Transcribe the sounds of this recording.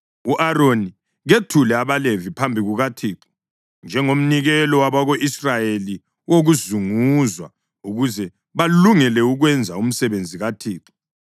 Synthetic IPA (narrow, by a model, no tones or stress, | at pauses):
uʔaɾoni | ɣetʰulɛaβalevipʰambʱiɣuɣatʰiːǃɔ̥ | nd͡ʒʱɛŋom̩niɣɛlɔwaβaɣoʔisrajeli | woɣuzuŋuzwa̰ | uɣuzɛ | βaluŋɛlɛuɣwɛnd͡zʱaum̩sɛβend͡zʱiɣatʰiːǃi̥